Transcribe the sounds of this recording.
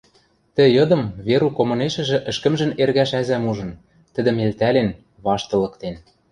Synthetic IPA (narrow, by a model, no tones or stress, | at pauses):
t̪ɘ̆jɤ̆d̪ɤ̆mβeɾukomɤ̆neʃɘ̆ʒɘ̆ʔɘ̆ʃkɘ̆mʒɘ̆nerɣæʃæzæmuʒɤ̆n | t̪ɘ̆d̪ɘ̆melt̪ælen | βɑʃt̪ɤ̆lɤ̆kt̪en